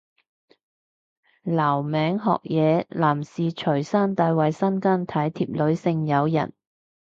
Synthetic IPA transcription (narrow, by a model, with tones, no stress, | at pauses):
laː˨˩wmɛː˨˥ŋɦɔ̰ː˧k̚jɛː˨˧laː˨˩msiː˨t͡ʃʰɵ˨˩ɥsaː˥nt̪aː˨˧jwɐ˨jsɐ˥nkaː˥nt̪ʰɐ˨˥jt̪ʰiː˧p̚lɵ˨˧˥ɥsɪ˧ŋjɐ˨˧wjɐ̰˨˩n